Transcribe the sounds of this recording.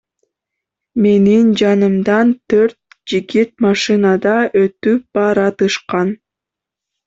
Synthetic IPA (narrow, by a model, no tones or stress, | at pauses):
me̞nind͡ʒɑnɯmd̪ɑnt̪ʰøɾt̪̚ | d͡ʒiɡit̪̚mɑʃɨnɑd̪ɑʔøt̪yp̚b̥ɑɾɑt̪ɯʃqɑn